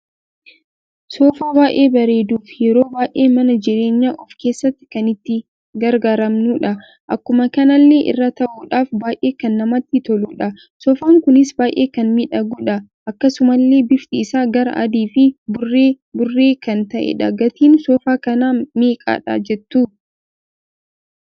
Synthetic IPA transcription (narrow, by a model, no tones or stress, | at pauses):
soːfaːbaːʔe̞ːbɐɾe̞ːd̪uːfjɛɾo̞ːbaːjʔe̞ːmɐnɐd͡ʒɪɾe̞ːɲːaːʔɔfke̞ːsːɐt̪ːɪ̥kɐnɪt̪ːɪ | ɡɐɾɡaːɾɐmnuːᶑɐ | ʔɐkːʊmɐkɐnɐlːeːʔɪ̰rːɐt̪ɐʔuːᶑaːfbaːʔe̞ːkɐnːɐmɐt̪ːɪt̪ɔluːᶑɐ | sɔfaːŋkʊnɪsbaːjʔe̞ːkɐnmɪᶑɐɡuːᶑɐ | ʔɐkːɐsʊmɐlːe̞ːbɪft̪ʼiːsaːɡɐɾɐ̰ʔɐd̪iːfɪbʊreː | bʊrːe̞ːkɐnt̪ɐʔɛ̰ᶑɐɡɐt̪iːnsɔfaːkɐnaːmeːkʼa̰ːᶑa̰ːd͡ʒɛt̪ːuː